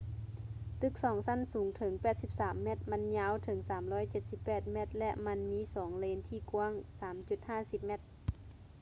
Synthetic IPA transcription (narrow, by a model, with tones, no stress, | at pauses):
t̪ɯ˧˥k̚sɔː˩˦ŋsa˧˥˨nsuː˨˩˦ŋt̪ʰɤ˩˦ŋpɛː˨˩t̪̚si˧˦p̚saː˩˦mːɛ˧˩t̪̚ma˧˥nɲaː˧˥˨wt̪ʰɤ˩˦ŋsaː˨˩˦mlɔː˧˥˨jt͡ɕe˨˩t̪̚si˧˦pːɛː˨˩t̪̚mɛ˧˩t̪̚lɛ˧ʔma˧˥nmiː˧˥˨sɔː˩˦ŋleː˧˥nt̪ʰiː˧˨ku˧ə˨ŋsaː˨˩˦mt͡ɕu˧˩t̪̚haː˧˥˨si˧˦p̚mɛ˧˩t̪̚